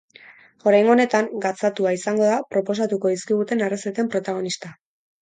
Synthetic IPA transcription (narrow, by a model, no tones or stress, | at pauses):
o̞ɾajŋo̞ne̞t̪aŋɡat͡sat̪uaisaŋɡo̞ðapɾo̞po̞s̬at̪uko̞ðiskiɣ̞ut̪e̞nareset̪e̞mpɾo̞t̪aɣ̞o̞nist̪a